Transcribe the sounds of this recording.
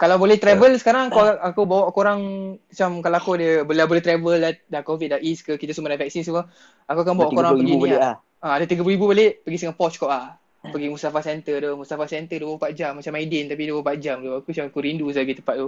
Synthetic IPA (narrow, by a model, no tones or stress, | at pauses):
kalawbolɛht̪ɾɛvəlsə̥kaɾaŋakoakubawaʔkoɾaŋat͡ʃamkalaakuadəbəlabolɛht̪ɾɛvəladakovit̪̚ːaʔiskəkit̪əsumadavɛk̚sins̬əmə | akuakanmbawwaʔkkoɾɾaŋəiɡinieʔa | aadət̪iɡəpluɾibubəleʔpəɡisəŋapɔt͡ʃkɔʔlah | pəɡimust̪afasɛnt̪ərd̪omust̪afasɛnt̪ədubəpaʔ̪̚d͡ʒamːat͡ʃamaidɛnt̪ap̬iduppat̪̚d͡ʒamdoakut͡ʃamakuɾindusəlaɡit̪əmpat̪̚t̪u